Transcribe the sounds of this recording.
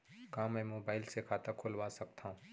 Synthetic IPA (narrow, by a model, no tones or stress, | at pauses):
kaːmɛ̃ːmoːbaːɪlsekʰaːt̪akʰʊlʋasɐkt̪aɦũː